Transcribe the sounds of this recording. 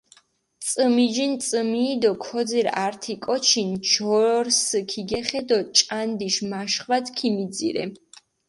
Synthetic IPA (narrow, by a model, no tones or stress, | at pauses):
t̪sʼəmid͡ʒint̪sʼəmiːd̪ɔkʰɔd̪ziɾaɾt̪ʰikʼɔt͡ʃʰint͡ʃɔɾskʰiɡɛχɛd̪ɔt͡ʃʼand̪iʃmaʃχwad̪kʰimid̪zḭɾɛ̰